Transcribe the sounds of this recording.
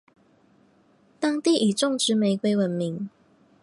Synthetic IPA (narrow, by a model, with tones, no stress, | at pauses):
t̪ɑ˥ŋt̪i˥˨ʔi˨˩ʈ͡ʂʊ˥˨ŋʈ͡ʂɻ̩˧˥me˨˧ɪkwe˥ɪwə˨˥nmi˨˦ŋ